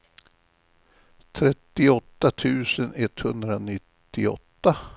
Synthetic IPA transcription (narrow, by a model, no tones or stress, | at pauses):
t̪ʰɾɛt̪ːɪɔt̪ːat̪ʰʉ̟ːsənɛt̪ːhɵnd̪ɾanɪt̪ːɪɔ̰t̪ːa